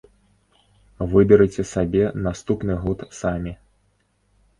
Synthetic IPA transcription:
vɨbʲɛɾɨt͡sʲɛsabʲɛnast̪upnɨɣɔt̪samʲi

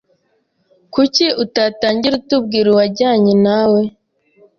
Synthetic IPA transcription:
kuciʔutataːɲɟiɾutub̚ɡiːɾuwaɾɟaːɲenawe

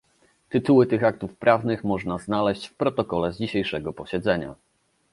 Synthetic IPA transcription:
t̪ɘt̪uwɘt̪ɘxak̚t̪ufpɾʔavnɘxmɔʐnaznalɛɕt͡ɕfpɾɔt̪ɔkɔlɛzd͡ʑiɕejʂɛɡɔpɔɕɛd̪zɛɲa̰

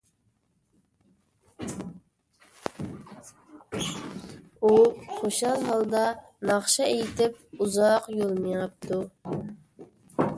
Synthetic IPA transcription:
uχoʃɑlˠɦɑlˠd̪ɑ | nɑχʃɑejt̪ʰɪp̚uzɑqjolˠmijɑp̚t̪ʰu

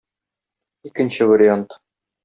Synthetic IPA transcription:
ikɘ̆nɕɘvɐɾʲɪont̪

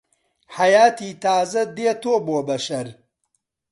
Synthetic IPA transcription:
hɐjaːt̪iːt̪aːzɐd̪eːt̪oːboːbɐʃɐɾ

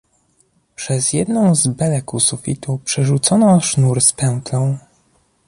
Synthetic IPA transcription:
pʂɛzjɛd̪nɔ̃w̃zbɛlɛkusufʲit̪upʂɛʐut̪sɔnɔʂnuɾspɛw̃k̪lɔ̃w̃

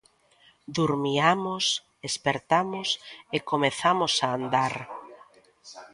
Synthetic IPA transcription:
d̪uɾmiamos | espeɾt̪amʊsekomeθamosaːnd̪aɾ

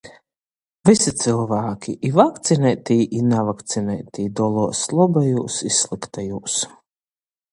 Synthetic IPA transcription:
visit̪sɨlˠvaːkʲʰiʔivakt̪sinɛjt̪ʲijʔinavakt̪sinɛjt̪iːd̪ɔlˠuɔslˠɔbajuːsisːlˠikt̪ajuːs

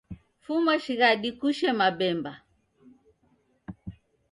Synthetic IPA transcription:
fumaʃiɣaɗikuʃɛmabɛmba

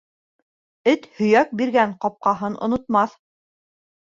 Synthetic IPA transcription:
ɘt̪hɵ̆jæk̚biɾɡæɴqɑp̚qɑɦɤnʔŏ̰nŏt̪mɑθ

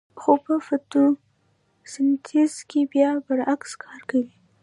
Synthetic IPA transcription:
xopəfat̪u | sɪnt̪ʰizkebjɑpəɾakskʰɑɾkawi

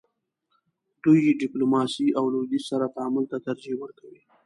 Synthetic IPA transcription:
d̪ujeɖɪplomɑsiʔawlod̪isaɾat̪aamʊlt̪at̪aɾd͡ʒewəɾkawi

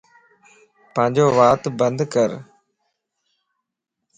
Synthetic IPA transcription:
pə̃ɪ̃ɲd͡ʑoːʋaːt̪bənd̪kəɾ

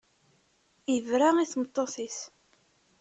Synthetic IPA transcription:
əvɾaiθmət̪ˤːoθiθ

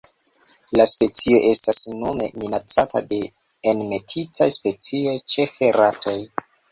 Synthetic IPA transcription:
laspe̞t͡sio̞ʔe̞stasnume̞̰minat͡satʰa̰de̞ː | nme̞tʰit͡sajspet͡sio̞jt͡ʃe̞feɾatʰo̞j

